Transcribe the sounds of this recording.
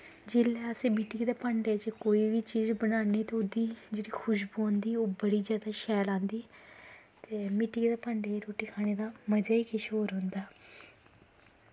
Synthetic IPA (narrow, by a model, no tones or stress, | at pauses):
d͡ʒɪlɛːəsẽːmɪʈɪɡd̪eːpəɳɖeːt͡ʃkoːiːʋiːt͡ʃiːzbənaːniːt̪eʊd̪iːd͡ʒeːɽiːkʰʊʃbuːõːnd̪iːoːbəɽiːzjaːd̪aːʃɛːlãːnd̪iː | t̪eːmɪʈiːɡd̪eːpəːɳɖeːɾoːʈiːkʰaːɽ̃eːd̪aːməd͡ʒaːiːkɪʃoːɾɦʊ̃nd̪aː